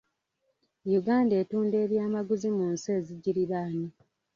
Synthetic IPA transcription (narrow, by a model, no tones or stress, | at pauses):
juɡaːndeːtuːnde̞ːβjaːmaɡuzimunseːziɟiɾiɾaːni